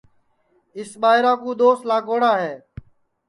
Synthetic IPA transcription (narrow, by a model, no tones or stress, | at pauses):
ɪsɓaːɪɾãːkũːd̪oːst̪laːɡoːɽaːɦeː